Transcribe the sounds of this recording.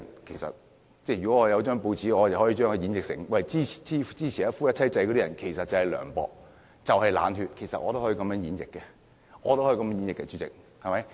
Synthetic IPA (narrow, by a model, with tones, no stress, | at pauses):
nkʰe˨˩sɐ̰˨t̚ | t͡sɛː˥˩jɥy˨kɔ˨˥ŋɔː˨˧jɐ˨˧wt͡ʃœː˥ŋpo˧wt͡sʰiː˨˥ɔː˨˧jɐ˨˩whɔː˨˧˥iː˧t͡ʃœː˥ŋkːɵ˨˧ji˨˥njɪ˨k̚sɪ̰˨˩ŋwɐ˨jt͡siː˥i̥˨t͡si˥t͡siː˥t͡ɕʰiː˨jɐː˨˥fuː˥jɐ˥t̚t͡sʰɐ˥jt͡sɐ˧jkɔː˧˥ɾi˥ɐ˨˩nkʰe˨˩jsɐ˨t̚t͡sɐ˨whɐ˨jlœ̰ː˨˩ŋpɔ̰ː˨k̚ | t͡sɐ˨whɐ˨jla̰ː˨˧nɦy˧t̚kʰe˨˩jsɐ̰˨t̚ʔɔː˨˧t̪o˥hːi˧kɐ˨˧mjœː˥ŋjiː˨˥njɪ̰˨kːɛ˧ | ŋɔː˨˧t̪o˥hɔː˧˥˧kɐ˧mɛː˥jiː˨˥njɪ˨kːɛ˧y˧˥t͡sɪ̰˨k̚hɐ˨˩mɐ˨˦j